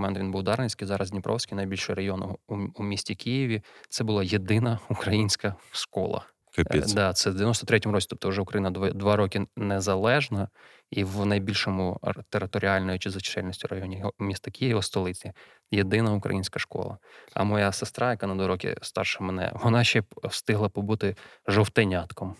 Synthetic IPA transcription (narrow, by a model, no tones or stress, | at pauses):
mɛnt̪ʋʲinbuwd̪ɑɾnesʲkɪjzɑɾʔɐzdʲnʲɪpɾʔɔ̰wsʲkɪjnɐjbʲilʲʃɔjɾɐjɔnʊumʲisʲtʲikʰɪjɪʋʲit̪sɛbʊlˠɑjed̪ɪnɐukɾɐjinʲsʲkɐʃkɔ̰lˠɐ̰ | kdd̪ɑt̪sɛd̪ɪʋʲjnɔst̪ɔt̪ɾɛtʲɔmʊɾɔt͡sʲt̪ɔ̥pt̪ɔʊʒɛʊkɾɐjinɐd̪ʋd̪ʋɑɾɔkʲɪnɛzɐlˠɛʒnɐ | iwnɐjbʲilʲʃɔmʊt̪eɾɪt̪ɔɾʲɪɑlʲnɔjʊt͡ʃɪzɐt͡ʃt͡ʃɛlʲnisʲtʲirɐjɔnʲimʲist̪ɐkʲʰɪjɪʋɐst̪ɔlˠɪt͡sʲi | jed̪ɪnɐʊkɾɐ̰jinʲsʲkɐʃkɔ̰lˠɐ̰ɐ̰mɔjasɪst̪ɾɑjɐkanɐd̪ʋɑɾɔkʲɪ̰st̪ɑ̰rʃɐmenɛ̰ʋɔnɑʃt͡ʃɛwst̪ɪɦlˠɐpɔbut̪ɪʒɔwt̪enʲat̪kɔm